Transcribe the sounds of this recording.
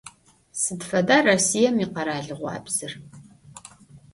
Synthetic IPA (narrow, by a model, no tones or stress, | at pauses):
sɨdfɐdaːrɐsijɐmiːqɐɾaːɮɨʁʷɑ̰ːbz̥ɨr